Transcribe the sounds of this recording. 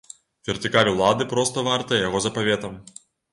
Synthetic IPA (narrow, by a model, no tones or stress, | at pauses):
vʲɛrt̪ɨkalʲwlˠad̪ɨpɾɔst̪ɐvart̪ɐjɛjaɣɔzɐpavʲɛt̪ɐm